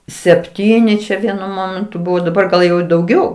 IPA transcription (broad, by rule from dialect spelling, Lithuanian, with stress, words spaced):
sʲɛpʲˈtʲiːnʲɪ t͡ʃʲɛ ˈʋʲiɛnʊ ˈmoːmʲɛntʊ ˈbʊʋoː dɐˈbɐr ɡɐlˠ ˈjɛʊ ɪ dɐʊˈɡʲɛʊ